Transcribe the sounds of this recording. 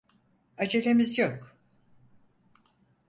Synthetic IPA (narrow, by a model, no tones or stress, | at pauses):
ad͡ʒelemizjok